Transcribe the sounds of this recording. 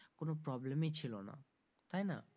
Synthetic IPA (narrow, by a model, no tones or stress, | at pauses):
konopɾɔblemet͡ɕʰilona̰ | t̪ajna̰